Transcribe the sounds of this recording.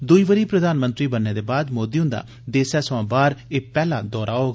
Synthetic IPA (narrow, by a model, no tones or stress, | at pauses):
d̪ʊiːʋəɾiːpɾəd̪aːnmə̃nt̪ɾiːbənːeːd̪eːbaːd̪moːd̪iːʊ̃nd̪a̰ː | d̪eːsɛːsʋãːbaːɾeːpɛːla̰ːd̪ɔːɾaːooː